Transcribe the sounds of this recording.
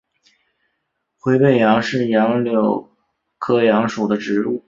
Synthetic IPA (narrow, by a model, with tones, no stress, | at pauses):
xwe˧˥ɪpe˥˩ɪjɑ˧˥ŋʂɻ̩˥˩jɑ˧˥ŋljo˨˩ʊ | kʰɤ˥jɑ˧˥ŋʂu˨˩d̪ə˦ʈ͡ʂɻ̩˧˥u˥˩